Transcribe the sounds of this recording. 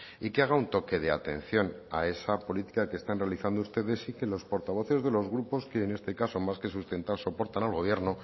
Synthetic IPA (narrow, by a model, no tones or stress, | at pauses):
ikeaɣ̞aunt̪o̞ke̞ðe̞a̰t̪e̞̰n̟θjo̞n | a̰e̞sapo̞lit̪i̥kake̞ːst̪anre̞aliθand̪oust̪e̞ðe̞sike̞lo̞spo̞ɾt̪aβo̞θe̞zðe̞lo̞zɣɾupo̞ske̞ːne̞st̪e̞kaso̞maske̞sust̪e̞nt̪aso̞po̞ɾt̪analɣo̞β̞je̞ɾno